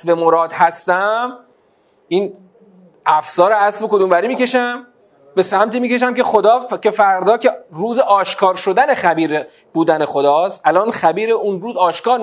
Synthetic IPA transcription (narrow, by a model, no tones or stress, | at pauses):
bemoɾɒːd̪hæst̪æm | ʔiːn | ʔæfsɒːɾeæsbokod̪uːmvæɾiːmiːce̞ʃæm | be̞sæmt̪iːmiːce̞ʃ̬æmcexo̞d̪ɒːcʰe̞fæɾd̪ɒːcʰe̞ɾuːzeʔɒːʃkʰɒːɾʃo̞d̪æne̞xæbiːɾe | b̥uːd̪ænexo̞d̪ɒːst̪ʔælɒːnxæbiːɾeʔunɾuːzɒːʃkɒːɾ